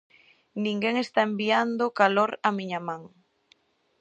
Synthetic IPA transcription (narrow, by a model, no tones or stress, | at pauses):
nĩŋɡeŋest̪aembiand̪okaloɾamiɲamãŋ